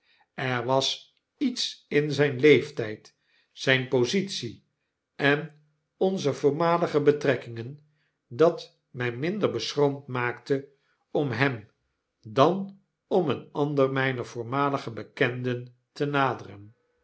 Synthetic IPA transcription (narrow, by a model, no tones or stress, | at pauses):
ɛɹʋɑs | itsɪnzɛjnlejftɛjt | sɛjnpozitsi | ʔɛn | ɔnzəvʊːɹmaːləχəbətrɛkɪŋən | dɑt | mɛjmɪndəɹbəsromtmaːktə | ɔmɦɛm | dɑn | ɔmənɑndərmɛjnəv̥ʊːɹmaːləχəbəkɛndən | tənaːdərən